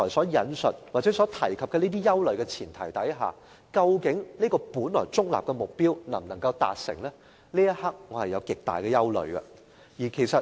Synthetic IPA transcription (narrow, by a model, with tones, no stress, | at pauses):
ɔː˨˩jsɔː˨˥jɐ˨˧nsɵ˨t̚waː˨t͡sɛː˨˥sɔː˨˥t̪ʰɐ˨˩jkʰɐ˨p̚kɛː˧niː˥t̪iː˥jɐ˥wlɵ˨ɥkɛː˧t͡sʰiː˨˩nt̪ʰɐ˨˩jt̪ɐ˨˥jɦa̰ː˨ | kɐ˧wkɪ˨˥ŋniː˥kɔː˧puː˨˥nlɔ̰ː˨˩jt͡sʊ˥k̚la̰ː˨p̚kɛ˧mʊ˨k̚piː˥wnɐ̰˨˩mnɐ˨˩ŋkɐ˧wt̪a̰ː˨t̚sɪ̰˨˩ŋlɛː˥ | liː˥jɐ˥t̚hɐ˥k̚ŋɔ˨˧hɐ˨jɐ˨˧wkɪ˨k̚t̪a̰ː˨jkɛː˧jɐ˥wlɵ̰˨˧ɥɡɐ̰˧ | jiː˨˩kʰe˨˩jsɐ˨